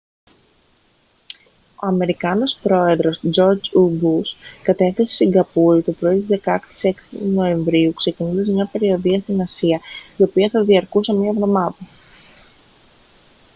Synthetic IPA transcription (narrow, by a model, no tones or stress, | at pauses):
o̞ɐme̞ɾikɐno̞spɾo̞e̞ðɾo̞sd͡ʒo̞ɾd͡zubuskɐt̪e̞θese̥siŋɡɐpulit̪opɾo̞it̪izðe̞kɐkt̪i̥se̞ksino̞e̞ɱvɾiukse̞cinuðes̬mɲɐpe̞ɾio̞ðiɐst̪inɐsiɐio̞piɐθɐðiɐɾkusemiɐvðo̞mɐðɐ